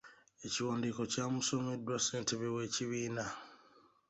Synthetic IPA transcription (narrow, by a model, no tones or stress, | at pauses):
e̞ciwaːndiko̞caːmuso̞me̞dːwase̞ːnteβewe̞ːciβiːna